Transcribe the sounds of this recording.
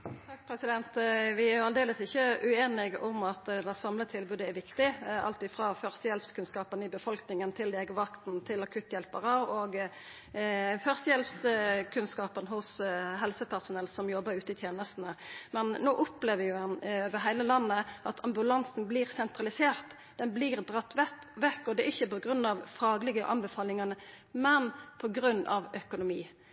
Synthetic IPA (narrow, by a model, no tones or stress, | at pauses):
t̪ʰɑk̚ːpʰɾɛsɪd̪ɛnt̪ʋɪæɾʊɑld̪eːləsɪçːəʔʉeːnɪɡʊmɑt̪d̪æsɑmlət̪ʰɪlbʉːd̪əæɾʋɪkt̪ɪɑ̰lt̪ɪfʁɑːfœʁsəjɛlpskʰʉnskɑːpənɪbəfɔlknɪŋənt̪ʰɪld̪eːɡəʋɑkt̪n̩t̪ʰɪlɑkʰʉt̪ːjɛlpəʁəoːɡ | fœʁsəjɛlpskʰʉnskɑːpənɦʊsɦɛlsəpʰæʁsʊnɛlsɔmjɔbəɾʉːt̪əɪt̪ʰjeːnəst̪n̩əmɛnːoːʔʊpleːʋəjʊɑnøʋəɦæɪləlɑnːəʔɑt̪ʰɑmbʉlɑnsn̩bliːʁsɛnt̪ʁɑlɪseːʁt̪ | d̪ɛnbliːʁd̪ʁɑt̪ːʋɛt̪ | ʋɛkːɔd̪ɛʔɪçːəpɔɡʁʉnːɑʋfɑːɡlɪɡəʔɑ̰nbɛfɑːlɪŋɑnə | mɛnpʰɔɡɾʉnːʔɑ̰ʋœkʊnʊmiː